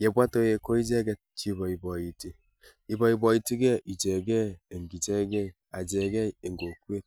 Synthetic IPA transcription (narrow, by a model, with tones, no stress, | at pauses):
je˨bʷa˦to˦je˨ko˦i˦d͡ʒe˦ɡe˦t̚t͡ʃi˦bɔ˨i˨bɔ˨ji˨ti˦ | i˨bɔ˨i˨bɔ˨i˨ti˦ɡe˦ʔi˨d͡ʒe˨ɡe˦e˨ŋ̩˨ɡi˨d͡ʒe˦ɡe˦˨ | a˨d͡ʒe˨ɡe˦˨e˨ŋ̩˨ɡo˨ku˦e˦t̚